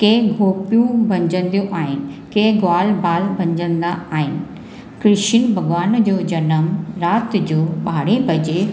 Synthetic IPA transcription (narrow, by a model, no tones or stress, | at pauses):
keːɡʱoːpijũbʱɐ̃ɲd͡ʑə̃nd̪ijũʔaːɦɪnɪ̆keːɡwaːlbaːlbʱɐ̃ɲd͡ʑə̃nd̪aaːɦɪnɪ̆ | kɾɪʃinbʱɐɡʋaːnd͡ʑoːd͡ʑɐnəmɾaːt̪d͡ʑoːɓaːɽẽbʱɐd͡ʑe